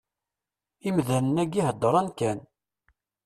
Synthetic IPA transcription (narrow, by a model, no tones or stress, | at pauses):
imðænənæɡiɦəd̪ːəɾˤɑnkæn